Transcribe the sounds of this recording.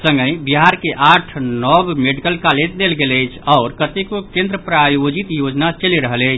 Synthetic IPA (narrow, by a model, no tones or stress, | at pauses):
sə̃ŋɡəjbiɦaɾkeʔaʈʰnɔbmeɖikəlkalet̪d̪elɡeləjt͡ʃʰɔʊɾkət̪ekokẽnd̪ɾəpɾajod͡ʒit̪jod͡ʒnat͡ʃəliɾəɦələjt͡ʃʰ